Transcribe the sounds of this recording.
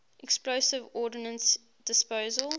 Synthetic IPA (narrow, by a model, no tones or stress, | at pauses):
ʔɛksploʊsɪvɔːdɪnə̃ns | d̥ɪspəʊzəlˠ